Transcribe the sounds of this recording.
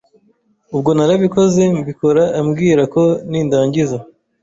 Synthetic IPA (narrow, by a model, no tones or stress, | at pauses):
ubɡo̞naɾaβiko̞ze̞mbiko̞ɾaːmɡiːɾako̞niːndaːɲɟiza